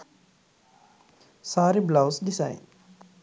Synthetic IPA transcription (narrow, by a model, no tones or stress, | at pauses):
saːɾiblaʊsdisa̰ɪn